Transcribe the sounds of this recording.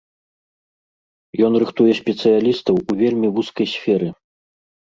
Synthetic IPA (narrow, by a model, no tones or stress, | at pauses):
jɔn̪rɨxt̪ujɛsʲpʲɛt̪sɨjalʲist̪ɐwuvʲelʲmʲivuskɐjsʲfʲɛɾɨ